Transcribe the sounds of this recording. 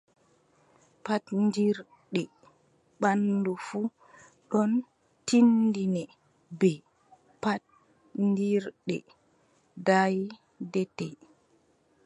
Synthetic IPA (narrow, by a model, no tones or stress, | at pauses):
patndiɾ | ɗɛ | ɓanːdufu | ɗɔn | tindinɛ | bɛ | pat̚ | ndiɾɗɛ | daj | dɛtɛ